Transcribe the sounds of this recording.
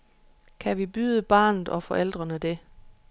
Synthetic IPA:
kʰæʋib̥yðˠəb̥ɑ̈ːnð̩ˠɒ̽fɒ̽ʔel̰d̥ʁɐnəd̥e̝

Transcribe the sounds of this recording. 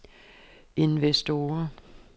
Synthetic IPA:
e̝nʋesd̥o̝ːɐ

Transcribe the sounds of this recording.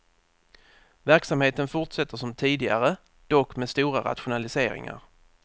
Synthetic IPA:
væɾksamheːt̪ənfʊʈʂɛt̪ːəʂɔmt̪ʰiːd̪ɪɡaɾə | d̪̥ɔkːmeɛst̪uːɾaɾa̰t̪ɧʊnalɪseːɾɪ̰ŋa̰ɾ

